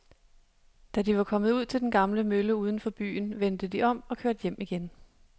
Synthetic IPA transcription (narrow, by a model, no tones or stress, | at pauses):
d̥æd̥iʋɑ̈kʰɒ̽mð̩ˠuð̰ˠt͡sʰe̝ld̥enɡ̥ɑ̈mləmøləuːð̞ˠən̩fɒ̽b̥y̰ːnʋend̥əd̥iʔɒ̽m̰ɒ̽kʰøɐ̰d̥jem̰iɡ̥en